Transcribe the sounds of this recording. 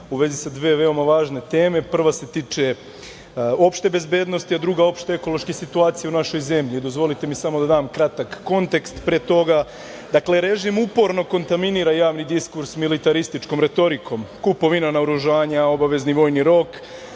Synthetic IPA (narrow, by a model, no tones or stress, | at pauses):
uʋe̞zisad̪ʋeːʋe̞o̞maʋaːʒne̞t̪e̞ːme̞pr̩ʋase̞t̪iːt͡ʃe̞ | o̞pʃt̪e̞be̞zbe̞ːd̪no̞st̪iad̪ɾuɡao̞pʃt̪ee̞ko̞lˠo̞ʃkesit̪uaːt̪sijaunaʃo̞jze̞mʎid̪o̞zʋo̞lit̪e̞misamo̞d̪ad̪aːmkɾat̪akːo̞nt̪e̞kst̪pɾeːt̪o̞ɡa | d̪akle̞ɾe̞ʒimupo̞ɾno̞ko̞nt̪aminiɾajaːʋnid̪iskuɾsmilit̪aɾist̪it͡ʃko̞mɾe̞t̪o̞ɾikʰo̞mkupo̞ʋinanaoɾuʒaːɲao̞baʋe̞zniʋo̞ːjniɾo̞k